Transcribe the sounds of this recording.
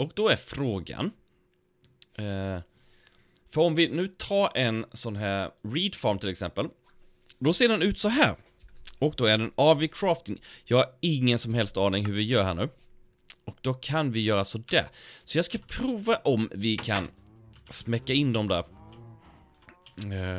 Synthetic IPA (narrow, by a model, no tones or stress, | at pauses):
ɔkd̪ɔæɾfɾoːɡa̰n | fœɾɔmvɪnʉ̟ːt̪ʰɑːɾʔɛnsɔnːɦæːɾɾiːd̪fɔɾmt̪ʰɪlɛksɛmpəl | d̪ɔseːɖɛnʉ̟ːt̪sɔɦæːɾ | ɔk̚d̪ɔædɛnɑvɪkʰɾɑːft̪ɪŋjɑːɡhaɾɪŋːənsɔmɦɛlst̪ɑːnɪŋɦɵɾvɪjœːɾɦæːɳʉ̟ː | ɔk̚d̪ɔkʰanvɪjœːɾasɔd̪ɛ̰sɔjɑːɡskapʰɾuːvaʔɔmvɪkʰa̰nsmɛkːaɪnd̪ɔmd̪æ̰ːɾ